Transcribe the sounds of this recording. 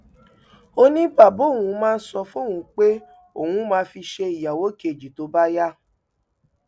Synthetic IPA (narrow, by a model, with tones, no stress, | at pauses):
o˧nĩ˦ba˦˨bo˨˦˨ũ˧mãː˦˧n̩˦sɔ˧fo˦˨hũ˨˧˦k͡pe˦ | o˨ũ˧˦mãː˧fi˧ʃe˧i˨ja˨wo˨˦ki˦e˨d͡ʒi˨to˧˦ba˦ja˦